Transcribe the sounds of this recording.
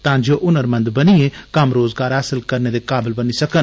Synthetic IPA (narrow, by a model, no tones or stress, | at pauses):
t̪ãːd͡ʒoːʔʊnəɾmɐ̃nd̪bənieːkəmɾoːzɡaːɾɦaːsɪlkəɾned̪ekaːbɪlbənisɐkən